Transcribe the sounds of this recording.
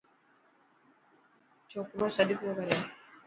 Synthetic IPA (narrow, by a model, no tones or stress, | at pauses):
t͡ʃʰoːkɾoːsəɗɪkoːkəɾeː